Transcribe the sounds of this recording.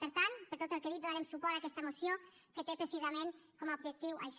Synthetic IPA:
pəɾt̪anpəɾt̪ot̪əlˠkəðit̪̚d̪unaɾemsupɔɾakɛst̪əmusio | kət̪epɾəsizəmenkɔmaub̚ʒək̚t̪iwʔə̰ʒ

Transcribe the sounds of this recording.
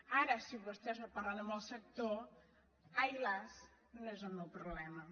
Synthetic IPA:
aɾəsiβust̪ɛznoparlanəməlˠsək̚t̪o | ajlas | noezəlˠmɛwpɾuβlɛmɐ

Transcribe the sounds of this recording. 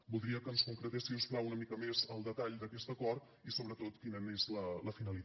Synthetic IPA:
bulˠd̪ɾiəkənskuŋkɾət̪esiusplawunəmikəmezəlˠd̪ət̪aʎd̪əkɛst̪əkɔrt̪ | isoβɾət̪ot̪kinəmezlələfinəlit̪

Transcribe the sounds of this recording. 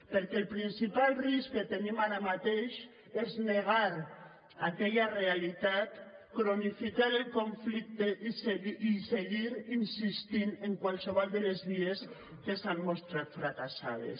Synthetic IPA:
peɾkelpɾinsipalriskket̪enimaɾamat̪eʃ | ezneɣ̞aɾ | akeʎarealit̪at̪kɾonifikaɾelkoɱflik̚t̪eʔiseiseɣiɾinsist̪ineŋkwalseβ̞ald̪elezβies | kesammost̪ɾat̪fɾakasa̰ð̞ḛs

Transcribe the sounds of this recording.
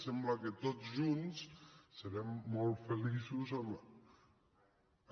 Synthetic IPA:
sɛmbləkət̪oʒunssəɾɛmːɔlˠt̪fəlisuzəm

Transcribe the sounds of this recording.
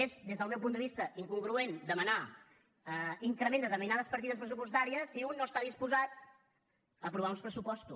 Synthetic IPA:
ezd̪ezðəlˠmɛwp̬unəβist̪əʔiŋkuŋɡɾuend̪əməna | iŋkɾəmẽnd̪ət̪əɾminaðəspəɾt̪iðəspɾəsupust̪aɾiəsːiunːoəst̪aðispuzat̪ | əpɾuβaunspɾəsupɔst̪u

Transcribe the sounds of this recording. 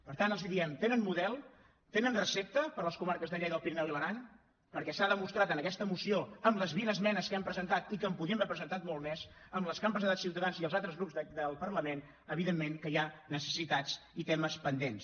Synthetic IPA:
pəɾt̪anəlˠziðiɛmt̪enənmuðɛlˠ | t̪enənrəsep̚t̪əpəɾləskumaɾkəzðəʎɛðəlˠpiɾnɛliβəɾan | pəɾkɛsaðəmust̪ɾat̪ənəkɛst̪əmusioəmləzβinəzmɛnəskɛmpɾəzənt̪at̪ikəmpuðiəmbɛɾpɾəzənt̪at̪mɔlˠmɛzəmləskampəzðt̪at̪siwt̪əðanziəlˠzalˠt̪ɾəzɣɾupzd̪əlˠpərləmen | əβiðemːeŋkəjanəsə̥sit̪at͡sit̪ɛməspənd̪ens

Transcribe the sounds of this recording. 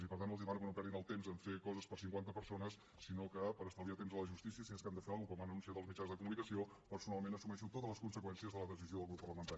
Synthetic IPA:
ipəɾt̪anəlˠiβanukənopɛɾðinəlˠt̪emzəɱfekɔzəspəɾsiŋkwant̪əpəɾsonəsːinokəpəɾəst̪alˠðiat̪emzðələʒust̪isiəsiɛskand̪əfeəlˠukɔmanənunsiaðəlˠzmit͡ʃanzðəkumunikəsio | pəɾsunalˠmenəsumɛʃut̪ot̪əzləskunsəkwɛnsiəzðələðəs̬izioðəlˠɣɾupːərləmənt̪aɾii

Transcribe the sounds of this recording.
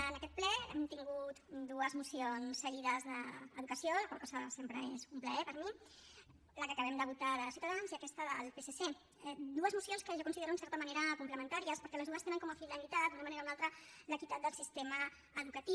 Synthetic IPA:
ənəkɛt̪̚plɛɛmt̪iŋɡut̪d̪uəzmusionssːəɣiðəzðəːðukəsiolakwalkɔzəsempɾəezumpləɛpəɾmi | ləkəːkəβ̞ɛmd̪əβut̪aðəsiuwt̪aðanziəkɛst̪əðəlˠpesese | d̪uəzmusionskəʒakunsiðeɾuunsɛɾt̪əməneɾəkumpləmə̃nt̪aɾiəspəɾkɛləzðuəst̪enəŋkɔməflinəlit̪at̪d̪unəmɐneɾaunalˠt̪ɾələkit̪at̪̚d̪əlˠsist̪eməː | ðukət̪i

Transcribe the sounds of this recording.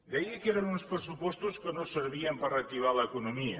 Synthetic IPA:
d̪ejəkeɾənunspɾəsupɔst̪uskənosəɾβiəmpərək̚t̪iβ̞aləːkunumiə

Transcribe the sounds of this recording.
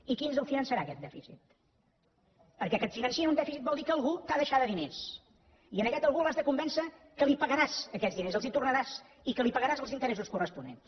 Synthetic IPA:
ikinzəlˠfinənsəɾakɛt̪̚d̪ɛfisḭt̪̚ | pəɾkɛkət̪finənsiəund̪ɛfisit̪bɔlˠd̪ikəːlˠɣut̪aðəʃaðəðines | iənəkɛt̪əlˠɣuəlˠazðəkumbɛnsə | kəlipəɣəɾazəkɛt̪zðinezəlˠzit̪urnəɾaz | ikəlipəɣəɾazəlˠzint̪əɾɛsuskurəspunḛn

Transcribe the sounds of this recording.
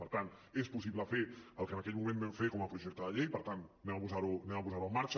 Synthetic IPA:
pəɾt̪ant̪espus̬iβləfeəlˠkənəkɛʎmumẽnbɛmfekɔməpɾuʒɛk̚t̪əðəʎejpəɾt̪annɛmapuzaɾunɛmapuzaɾuəmaɾt͡ʃ

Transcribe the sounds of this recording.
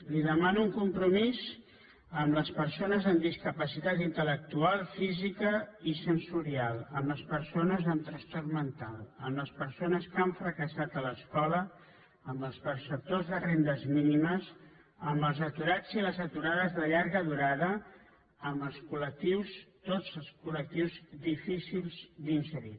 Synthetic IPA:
liðəmanuŋkumpɾumiz | əmləspəɾsonəzəmd̪iskəpəsit̪at̪int̪ələk̚t̪ualˠfizikəisənsuɾialˠəmləspəɾsonəzəmt̪ɾəst̪ɔrmənt̪alˠəmləspəɾsonəskəɱfɾəkəsat̪ələskɔlə | əmbəlˠspərsəp̚t̪ozðərend̪əzminiməz | əmbəlˠzət̪uɾad͡ziləzət̪uɾaðəzðəʎaɾɣəðuɾaðəː | mbəlˠskulək̚t̪iwst̪od͡zəlˠskulək̚t̪iwzd̪ifisilˠzd̪insəɾi

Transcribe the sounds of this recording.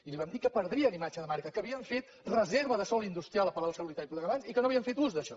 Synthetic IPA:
iliβamd̪ikəpəɾðɾiənimad͡ʒəðəmaɾkəkəβiəɱfet̪ | rəzeɾβəðəsɔlˠind̪ust̪ɾijalˠəpəɾawˠsəlulit̪aɾipləɣəβansikənoəβiəɱfet̪uzd̪əʃɔ

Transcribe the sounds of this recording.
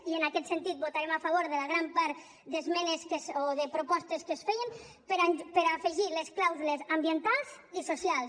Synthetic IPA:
iənakɛt̪sənt̪it̪̚but̪aɾemafaβ̞oɾðələɣɾampaɾt̪ | d̪əzmɛneskəsoðəpɾopɔst̪əskəsfɛjəm | pəɾapəɾafəʒiləsklawzulezambiənt̪alˠz | isosialˠs

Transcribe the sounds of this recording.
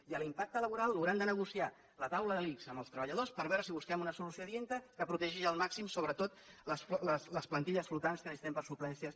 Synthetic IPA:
iəlimpak̚t̪ələβuɾalˠːuɣɾand̪ənəɣusia | lət̪awləðəlikzəməlˠst̪ɾəβəʎəðospəɾβɛɾəsiβuskɛmunəsulusjoðient̪əkəpɾut̪ɛʒiʒəlˠmaksimsoβɾət̪ot̪̚ləsfləsləsplənt̪iʎəsflut̪anskəist̪ɛmpəɾsuplɛnsiəs

